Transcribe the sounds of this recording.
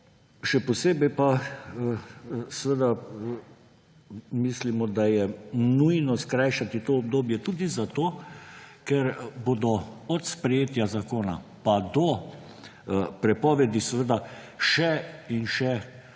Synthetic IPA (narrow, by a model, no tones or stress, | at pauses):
ʃɛposeːbɛjpa | sɛʋəd̪a | miːslimɔd̪ajɛnujnɔskɾaːjʃat̪it̪oːb̚d̪oːbjɛt̪uːd̪izat̪oː | kɛɾbod̪ɔɔt̪spɾɛjeːt̪jazakoːna̰pad̪ɔ | pɾɛpɔːʋɛd̪isʋəd̪a | ʃɛinʃɛ